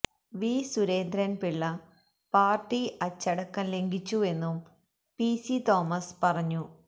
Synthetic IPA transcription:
ʋiːsuɾeːnd̪ɾɐnpiɭːɐ | paːrʈːiʔɐt͡ɕːɐɽɐkːɐnle̞ŋɡit͡ɕːue̞nːum | piːsit̪o̞ːmɐspɐrɐɲːu

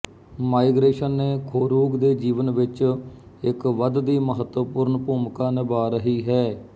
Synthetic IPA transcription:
maːɪɡɾeːʃənːeːkʰoːɾuːɡd̪eːd͡ʒiːʋənʋɪt͡ʃ | ɪkʋəd̪d̪iːməɦət̪wəpʊɾnpuːmkaːnɪbaːɾəɦiːɦɛː

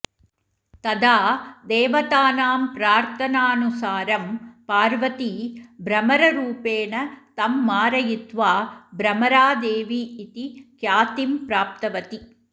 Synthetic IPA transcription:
t̪ɐd̪aːd̪eːʋɐt̪aːnaːmpɾaːɾt̪ʰɐnaːnusaːɾɐmpaːɾʋɐt̪ibɾɐmɐɾɐɾuːpeːnɐt̪ɐmːaːɾɐjɪt̪ʋaːbɾɐmɐɾaːd̪eːʋiːt̪ikjaːt̪impɾaːp̚t̪ɐʋɐt̪i

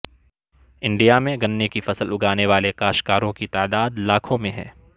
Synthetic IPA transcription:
ɪ̃ɳɖijamẽɡɐnːekifɐsəlʊɡaːneʋaːlekaːʃkaːɾõkit̪aːd̪aːd̪laːkʰõmẽɦɛ̰ː

